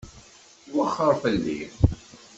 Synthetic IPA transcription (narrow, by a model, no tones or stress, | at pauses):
wəχːəɾˤfəlːḭ